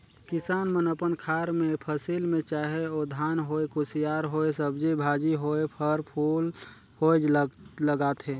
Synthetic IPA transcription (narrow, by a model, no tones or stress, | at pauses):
kɪsaːnmənəpənkʰaːɾmẽpʰəsilmẽt͡ʃaːɦeod̪ʱaːnɦoekʊsijaːɾɦoesəbd͡ʒebʱaːd͡ʒiɦoepʰəɾpʰuːl | hod͡ʒlləɡaːt̪ɦẽː